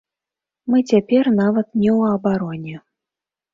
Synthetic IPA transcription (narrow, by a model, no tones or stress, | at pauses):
mɨt͡sʲapʲɛrnavɐt̪nʲɛwɐbaɾɔnʲɛ